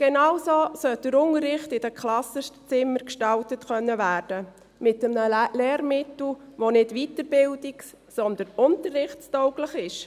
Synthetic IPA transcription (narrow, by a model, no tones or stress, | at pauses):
ɡ̥enɑwsoːsœl̚d̥əɾʊŋəɾːɪχtɪd̥əkχlɑsəʃtt͡sɪmːəɾkʃtɑltətkœnːəvæːɾd̥ə | mɪtəmnəlɛːɾmɪtl̩ʋonɪdʋitəɾbɪldiks | sɔnd̪ənʊntərːɪχtstɔʊɡləχɪʃ